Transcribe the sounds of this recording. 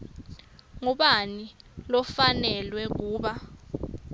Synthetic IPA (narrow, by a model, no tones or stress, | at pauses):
ŋuɓanilɔfanɛlwɛk̬uːɓa